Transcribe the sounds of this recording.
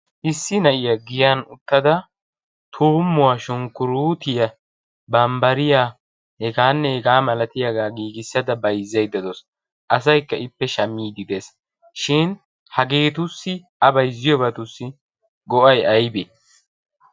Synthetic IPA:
ʔɪsːɪnɐʔɪjɐɡɪjanʊt̪ːɐd̪ɐ | t̪ʰuːmːʊwaʃʊŋkːʊɾuːt̪ɪjɐ | bɐmbɐɾɪjaː | hɛɡaːnːɛhɛɡaːmɐlɐt̪ɪjaɡaːɡiːɡɪsːɐd̪ɐbɐjzːɐjd̪ɐd̪ɔs | ʔɐs̬ɐjkːɐʔɪpːɛʃɐmːiːd̪ɪd̪es | ʃɪn | hɐɡe̞ːt̪ʊsːɪ | ɐbɐjzɪjɔbɐt̪ʊsːɪ | ɡɔʔɐjɐjbe

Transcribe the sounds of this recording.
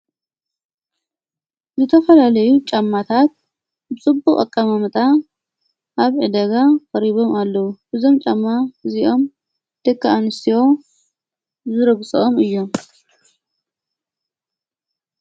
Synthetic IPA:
zɨt̪ʰɐfɐlalɐjut͡ʃʼamːat̪ʰat̪ | bɨt͡sʼɨbuχʼɐ̰kʼːamamɨt̪ʼa | ʔaβʕɨd̪ɐɡakʼɐɾiβo̞malːɐwubɨzo̞mt͡ʃʼamːaɨziʔo̞m | d̪̥ɨkʰːaʔanɨsʰiwo̞ | zɨɾɐβt͡sʼɨʔomɨjːo̞m

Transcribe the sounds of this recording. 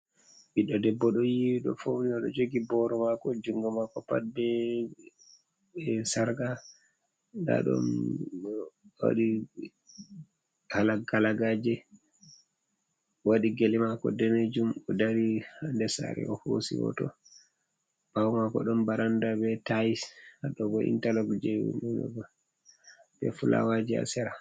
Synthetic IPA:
biɗɔdɛbːɔɗɔjiwiɗɔfowniɔɗɔ̰d͡ʒoɡibɔɾɔmakɔd͡ʒuŋɡamakɔpa̰bɛ | saɾɡa | nda̰ɗɔ̰n | wa̰ɗi | halaɡalaɡaːd͡ʒɛ | waɗiɡelimakɔdɛned͡ʒumɔdaɾihandɛsa̰ɾɛ̰ɔhosḭwɔ̰tɔ̰ | pawmakɔɗɔmbaɾandabɛtajihaɗɔɡɔḭntalɔɡd͡ʒɛjwṵmɛnɔ̰ɡɔ | bɛ̰fula̰wad͡ʒia̰sɛɾa

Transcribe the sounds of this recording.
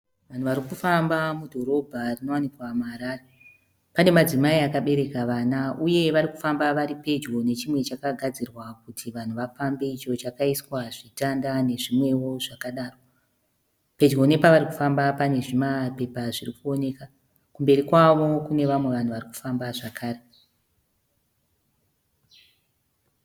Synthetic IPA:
ʋan̤uʋaɾikufambamudʱo̞ɾo̞bʱarino̞wanikwamuaɾaːre | pane̞mad͡zimaiakaɓe̞ɾe̞kaʋaːnauje̞ʋaɾiku̥fambaʋaɾipe̞d͡ʒɡo̞ne̞t͡ʃimwe̞t͡ʃakaɡʱad͡zirwakutʰiʋan̤uʋafambe̞it͡ʃo̞t͡ʃakaiswaʐitandane̞ʐimwe̞wo̞ʐakaɗaːro | pe̞d͡ʒɡo̞nepaʋaɾiku̥fambapane̞ʐimape̞paʐirikuo̞ne̞ka | kumbe̞ɾikwaʋo̞kune̞ʋamwe̞ʋan̤uʋariku̥fambaʐakʰaːre

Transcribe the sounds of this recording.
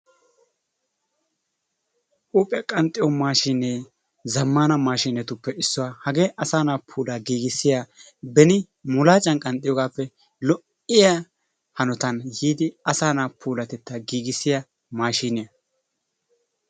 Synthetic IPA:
ʔuːpʼɪɐkʼɐnt̪ʼɪjɔmaːʃineː | zɐmːaːnɐmaːʃiːnːɛt̪ʊpːɛɪsːɔwahɐɡe̞ːʔɐsaːnaːpʰuːlaːɡiːɡɪsːɪjaː | bɛnɪ | mʊlaːt͡ʃʼɐnkʼɐnt̪ʼɪjɔɡaːpːɛ | lɔʔ | ɪja | hɐnɔt̪ɐnhiːd̪ɪɐsaːnaːpʰuːlɐt̪ɛt̪ːɐɡiːɡɪsːɪjɐ | maːʃiːnɪjɐ

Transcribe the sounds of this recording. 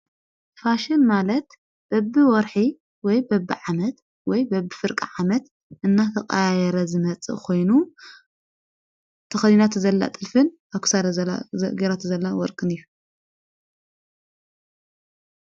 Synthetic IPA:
faʃɪnmalɐt̪ | b̥ɐbɨwɔɾħi | wɔjbɐbːɨʕamɐt̪ | wɔjbɐbːɨfɨɾkʼiʕamɐt̪ | ʔɨnːat̪ʰɐkʼajajɛɾɐzɨmɐt͡sʼɨ̰ʔkʰo̞jnu | t̪ʰɐxɐzinat̪ʰzɐlːa̰t̪ʼɨlfɨn | akʰɨ̥saɾɡɐɾat̪zɐlːawɔɾkʼɨnɨjːu

